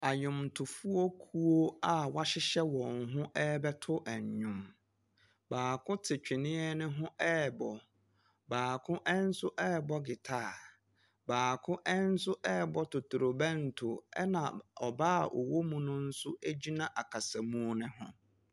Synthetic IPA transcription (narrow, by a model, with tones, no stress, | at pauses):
a˨ɲʊ̃˨mtʰʊ˨fu˦o˦kʰu˦o˦a˨wa˦ɕɪ˦ɕɛ˦wɔ̃˨ŋɦʊ̃˦ʔɛ˦bɛ˦tʰʊ˦ʔæ˨ɲ˨ɲʊ̃˦m | baː˨kʰʊ̃˦tʰɪ˨t͡ɕᶣɪ˨nɪ̃˦ɛ˦nɪ̃˦ɦʊ̃˦ɛ˦˨bɔ˨ | baː˨kʰʊ̃˦ʔɛ˦n̩˦sʊ˦ʔɛ˦˨bɔ˦ɡɪ˨tʰaː˦˨ | baː˨kʰʊ̃˦ʔɛ˦n̩˦sʊ˦ʔɛ˦˨bɔ˦tʰʊ˨tʰʊ˨ɾo˨bɛ̃˦n̩˨tʰʊ˨ɛ̰˦nã̰˨ɔ˨baː˦˨ʔɔ̰˨wo˦mũ˦nʊ̃˦n̩˦sʊ˦æ˦d͡ʑi˦nã˨ʔa˨kʰa˨sa˨mũ˦nɪ̃˦ɦʊ̰̃˦